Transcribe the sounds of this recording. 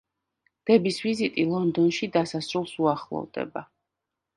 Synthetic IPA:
d̪̥ɛbisvizit̪ʼilˠɔnd̪ɔnʃid̪asasɾulˠsuaχlˠɔ̰vd̪ɛ̰ba

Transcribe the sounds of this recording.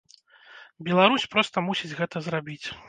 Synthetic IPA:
bʲɛlˠaɾusʲpɾɔst̪ɐmusʲid͡zʲɣɛt̪ɐzrabʲit͡sʲ

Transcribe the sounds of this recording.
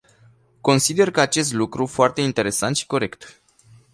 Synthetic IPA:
ko̞nsid̪e̞rkəat͡ʃe̞st̪lukɾufoart̪e̞int̪e̞ɾe̞sant̪ʃi̥ko̞ɾe̞kt̪

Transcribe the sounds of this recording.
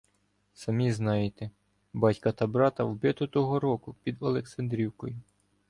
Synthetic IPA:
sɐmʲiznɑjet̪e | bɑtʲkɐt̪ɐbɾɑt̪ɐwbɪt̪ʊt̪ɔɦɔɾɔkʊpʲid̪ɔlˠeksɐnd̪ɾʲiwkɔjʊ

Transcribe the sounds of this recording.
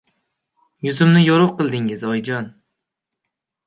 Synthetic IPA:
jʊzɪmnɪjoɾʊʁqɨlˠd̪ɪŋɪzɒjd͡ʒɒn

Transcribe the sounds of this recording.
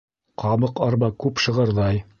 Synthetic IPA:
qʰɑβɤqɑɾbɑkʉpʃɤ̆ʁɤɾðɑj

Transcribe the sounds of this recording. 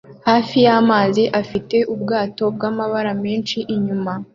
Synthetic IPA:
haːfijamaːziʔafite̞ʔubɡaːto̞b̚ɡaːmaβaɾameːnʃiʔiɲuma

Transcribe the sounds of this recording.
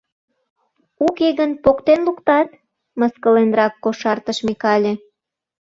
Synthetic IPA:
ukeɣənpokt̪enlukt̪ɑt̪ | məskəlenrɑkːoʃɑrt̪əʃmekɑlʲe

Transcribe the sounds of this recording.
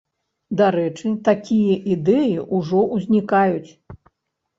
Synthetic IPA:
d̪aɾɛt͡ʂɨt̪akʲijɐʔid̪ɛjiʔuʐɔʔuzʲnʲikajut͡sʲ

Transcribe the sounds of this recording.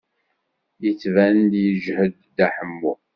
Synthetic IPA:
jət͡sːvænd̪jəʒhəd̪ːæħəmːu

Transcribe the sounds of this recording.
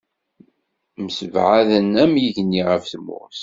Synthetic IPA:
məsəvʕaðənæmjiʝənːiʁəfθmʊ̰ɾs

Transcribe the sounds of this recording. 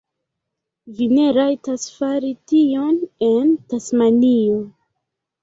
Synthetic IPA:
vine̞ɾajtasfaɾitio̞ne̞ntasmanio

